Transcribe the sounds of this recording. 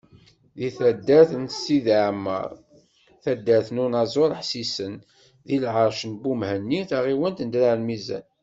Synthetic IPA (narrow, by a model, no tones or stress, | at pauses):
ðiθæd̪ːæθənsiðʕəmːə̰ɾˤ | θæd̪ːæθnunɑzˤoɾˤħsisən | ðilʕəɾʃənbumhənːiθaʁiwənt̪nd̪læɾmizæ̰n